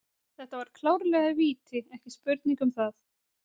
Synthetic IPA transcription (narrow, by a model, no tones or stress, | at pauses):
θɛht̪avaɾ̥kʰlawɾlɛːɣaðviːt̪ɪɛhcɪspʏɾt̪niŋkʏmθaθ